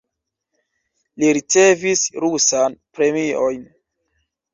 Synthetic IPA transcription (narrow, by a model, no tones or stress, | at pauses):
liɾit͡se̞visɾusanpɾe̞mio̞jn